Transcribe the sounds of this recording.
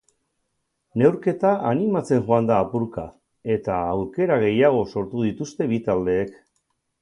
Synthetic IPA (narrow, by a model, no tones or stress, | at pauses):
ne̞wɾke̞t̪aʔanimat͡se̞nʝoand̪aːpuɾka | e̞t̪aːwɾke̞ɾaɣ̞e̞jaɣ̞o̞so̞ɾt̪uðit̪ust̪e̞βit̪ald̪e̞ːk